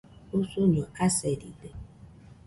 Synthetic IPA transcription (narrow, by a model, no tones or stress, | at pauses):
osoɲoasɛdibe